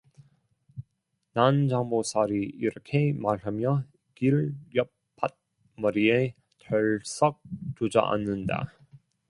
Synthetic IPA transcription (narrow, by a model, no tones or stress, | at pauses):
nand͡ʑaŋbosʰaɾiiɾʌkʰe̞maɭamjʌ | kiɭjʌp̚ | p͈ʰːat̚ | mʌɾie | tʰʌɭs͈ʌk̚t͡ɕod͡ʑʌ̰ʔa̰nːɯnda̰